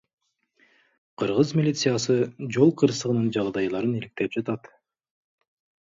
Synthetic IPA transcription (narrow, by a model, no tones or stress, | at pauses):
qʰɯɾʁɯzmʲilʲit̪sɨjasɯd͡ʒo̞lˠqʰɯɾsɯʁɯnɯnd͡ʒɑlˠd̪ɑjlˠɑɾɯnilik̚t̪e̞p̚d͡ʒɑt̪ɑt̪